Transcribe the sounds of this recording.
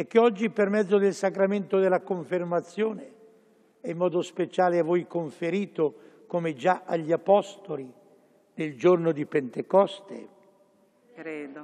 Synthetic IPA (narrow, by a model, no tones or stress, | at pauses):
ɛk̟ːeɔd͡ʒːipermɛd̪zːod̪elsakɾament̪od̪elːakoɱfɪrmat̪sːjoːne | ɛimːɔːd̪ospet͡ʃaːleavːojkoɱfeɾiːt̪o | komed͡ʒaʔaʎːiapɔst̪oli | neld͡ʒornod̪ipent̪ekɔst̪ḛ